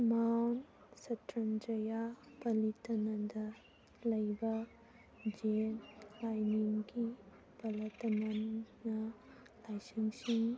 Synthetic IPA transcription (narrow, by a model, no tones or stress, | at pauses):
mawn | sɐtɾɐnd͡ʒɐjapɐlitɐnɐdɐ | lɐjbɐ | d͡ʒenlajniŋɡi | pɐlɐtɐnanɐ | lajsiŋsiŋ